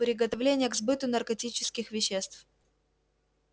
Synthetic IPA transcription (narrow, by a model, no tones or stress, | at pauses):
pɾʲɪɡət̪ɐvlʲenʲɪjəɡzbɨt̪ʊnɐrkɐtʲit͡ɕɪskʲɪxvʲɪɕːest̪f